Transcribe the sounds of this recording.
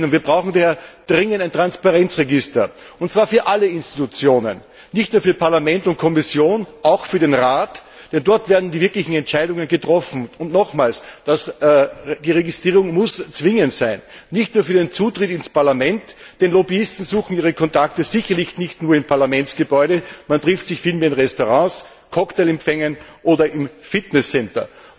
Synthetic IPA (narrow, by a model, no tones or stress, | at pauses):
nviːɐbʁaʊxŋ̩dahɛːɐd̥ʁɪŋəntæɪntʁ̥anspaʁɛnt͡sʁeɡɪstɐ | ʊntt͡sv̥aːɐfyːɐʔalːəɪnstitut͡sjoːnə̰nː | ɪçtnuːɐfyːɐpʰaɐlamɛntʊnt̚kʰɔmɪsjoːnʔaʊxfyːɐɾeːnʁaːt | d̥ɛndɔɐtv̥ɛːɐdn̩diːvɪɐklɪçŋ̩ɛntt͡ʃæɪɾʊŋənɡətʁɔfn̩ʊntnɔxmaːlsd̥as | d̥iːʁeɡɪstʁ̥iːʁʊŋmʊst͡sv̥ɪŋəntsæɪnːɪçtnuːɐfyːɐdent͡suːtʁɪtɪnspaɐlamɛntd̥enlɔbiɪstn̩zuːxn̩iːʁ̞əkʰɔntaktəz̥ɪçɐlɪçnɪçtnuːɐɪmpʰaɐlamɛntsɡ̥əbɔʏɾəmantʁ̥ɪftsɪçfiːlmeːɐɪnʁɛstoʁɑ̃s | kʰɔkteːlɛmfɛŋənʔoːdɐʔɪmfɪtnɛsːɛntɐ̰